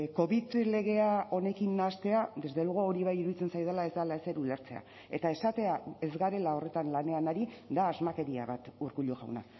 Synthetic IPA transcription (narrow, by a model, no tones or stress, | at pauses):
ko̞βit̪le̞ɣ̞e̞ao̞ne̞kinːast̪e̞ad̪e̞zd̪eluɣooɾiβ̞ajiɾuðit͡se̞nsajðelae̞zd̪alaese̞ɾule̞ɾt͡se̞̰a̰ | et̪ae̞sat̪e̞ae̞zɣaɾe̞lao̞re̞t̪anlane̞anaɾid̪aːzmake̞ɾiaβat̪uɾkuʎuɣa̰wna